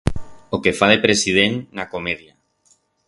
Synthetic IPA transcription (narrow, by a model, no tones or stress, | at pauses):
okefað̞epɾesið̞enːakomeðja